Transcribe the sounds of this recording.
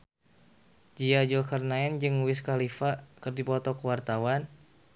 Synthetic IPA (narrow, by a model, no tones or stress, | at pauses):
d͡ʒiad͡ʒulkarnaɛnd͡ʒɨŋwɪskalifakɨrdipɔt̪ɔkəwart̪awan